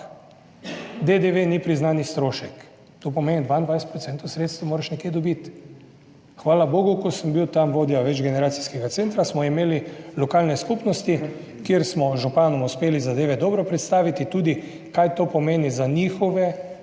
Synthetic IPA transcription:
d̪ed̪eʋenipɾiznaːnist̪ɾoːʃɛk | t̪oːp̬ɔmeːnid̪ʋand̪ʋajsɛt̪pɾɔt̪sɛnt̪owsɾeːt̪st̪ʋimoːɾɛʃnɛkjed̪ɔbit̪ | xʋaːlaboːɡukɔsəmbiwt̪amʋoːd̪iaʋɛd͡ʒɡɛnɛɾaːsi̥skɛɡat̪seːnt̪ɾasmɔimeːlilɔkaːlnɛskupnɔst̪i | kieɾsmɔʒupaːnɔmuspeːlizad̪eːʋɛd̪ɔːbɾɔpɾɛt̪st̪aːʋit̪it̪uːd̪i | kajt̪oːpɔmeːnizanixɔʋɛ

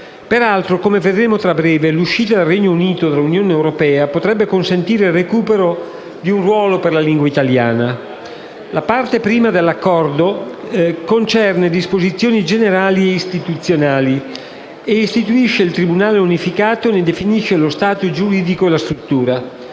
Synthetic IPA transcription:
peɾalt̪ɾokomeved̪ɾeːmot̪ɾabːɾɛːveluʃːiːt̪ad̪elrɛɲːouniːt̪od̪elunjoːneːwɾopɛːapot̪ɾɛbːekonsent̪iːɾerekuːpeɾo | d̪iunrwɔːloperlaliŋɡwait̪alja̰ːna | lapart̪epɾiːmad̪elːakːɔrd̪o | kont͡ʃɛrned̪ispozit̪sːjoːnid͡ʒeneɾaːlieist̪it̪ut̪sːjonaːli | eist̪it̪uiʃːeilt̪ɾibunaːleunifikaːt̪oened̪efiniʃːelost̪aːt̪od͡ʒuɾiːd̪ikoelast̪ɾut̪ːuːɾa

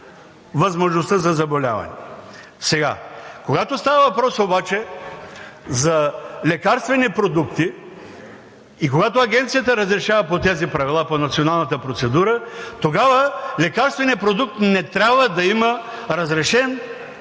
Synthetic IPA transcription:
vɐzmoʒnost̪əzɐzɐbolʲa̰vɐ̰nɛ̰ | sɛɡa̰koɡat̪ost̪avəvɐpɾɔsobat͡ʃɛ | zɐlɛkaɾst̪vɛnipɾod̪ukt̪i | ikoɡat̪oɐɡ̟ɛnt̪sijət̪əɾɐzɾɛʃavɐpot̪ɛzipɾɐvilˠaponɐt̪sionalˠnɐt̪əpɾot̪sɛd̪uɾət̪oɡavəlɛkaɾst̪vɛniəpɾod̪uk̚t̪nɛt̪ɾʲabvəd̪ɐiməɾɐzɾɛʃɛn

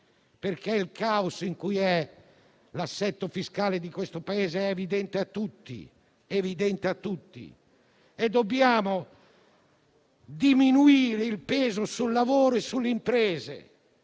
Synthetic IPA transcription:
peɾkeilkausiŋkujɛ | lasːɛt̪ːofiskaːled̪ikwest̪opaeːzeɛːvid̪ɛnt̪eat̪ːut̪ːḭ | evid̪ɛnt̪eat̪ːut̪ːḭ | ed̪ːobjaːmo | d̪iminuiːɾeilpeːzosulːavoːɾoesːulːeimpɾeːzḛ

